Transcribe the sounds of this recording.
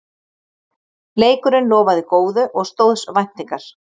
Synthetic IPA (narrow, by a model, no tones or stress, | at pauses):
leːjkʏɾɪnlɔːvaðɪkoːwðʏʔɔɣst̪owðsvajn̥t̪iŋkaɾ̥